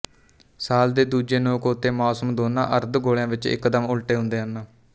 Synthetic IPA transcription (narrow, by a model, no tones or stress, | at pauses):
saːld̪eːd̪uːd͡ʒeːnõːkoːt̪eːmaːsəmd̪oːnã̰ːʔəɾd̪ɡoːljãːʋɪt͡ʃɪ̰kːd̪əmʊlʈeːɦʊ̃nd̪eːɦənːaː